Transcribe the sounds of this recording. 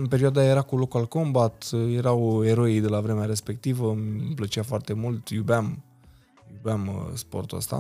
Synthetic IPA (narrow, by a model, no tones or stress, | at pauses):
ɨnpe̞ɾioad̪aje̞ɾakulo̞kualko̞mbat̪je̞ɾawe̞ɾo̞id̪elavɾe̞meaɾe̞spe̞k̚t̪ivəmplət͡ʃeafoart̪e̞mult̪jubeam | jubamspo̞̰rt̪uə̰st̪a̰